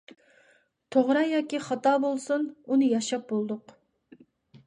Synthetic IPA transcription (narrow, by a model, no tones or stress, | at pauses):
t̪ʰoʁɾɑjɑːkʲiχɑt̪ɑːbolˠsununɨjɑʃɑp̚bolˠd̪ʊq